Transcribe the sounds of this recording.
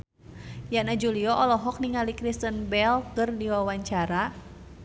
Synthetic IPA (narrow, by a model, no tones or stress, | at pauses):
janad͡ʒuliɔʔɔlɔɦɔk̚niŋalikɾist̪ənbɛlkɨrdiwawaɲt͡ʃaɾa